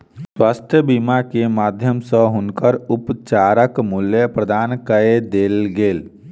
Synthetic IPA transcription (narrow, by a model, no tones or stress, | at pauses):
swast̪ʰjəbimakemad̪ʱjəmsə̃ɦunkəɾupt͡ʃaɾəkmuljəpɾəd̪ʱankəed̪elɡel